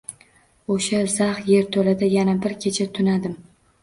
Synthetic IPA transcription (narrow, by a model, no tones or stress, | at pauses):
oʃaz̥ahje̞ɾt̪ʰolad̪ajanabɪɾkʲʰet͡ʃʰat̪ʰʊnad̪ɪm